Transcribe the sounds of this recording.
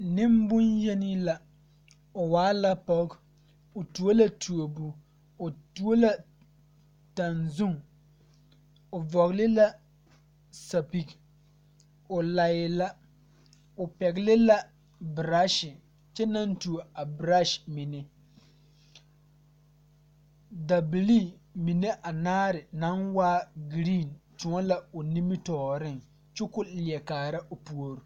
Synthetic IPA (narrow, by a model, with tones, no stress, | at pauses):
nɪ˦mbʊ˦njɛ˦ni˦la˨ | o˨waː˨˦la˦pɔ˦k | o˨tu˨˦o˦la˦tʰu˨o˨bu˨ | o˨tu˦o˦la˦ | ta˨nzʊ˦ŋ | o˨vɔ˨ɣlɪ˦la˦ | sa˨pi˨k | ʊ˨la˨jɪ˨la˦ | ʊ˨pɛ˨ɡlɪ˦la˦ | bɾa˦ʃɪ˨ | t͡ʃɛ˦na˦ntu˨a˨bɾa˦ʃmɪ˨nɛ˦ | da˨bli˦˨mi˨ne˦ʔa˨naː˦ɾɪ˨na˦nwaː˦ɡɾi˦˨ntʊ˨ŋɔ˦la˦ʊ˨ni˦mi˦tɔː˨ɾɪ˦ŋ | t͡ʃʊ˦kʊ˦li˨ɛ˨kaː˨ɾa˦ʔo˨pu˨o˦ɾu˨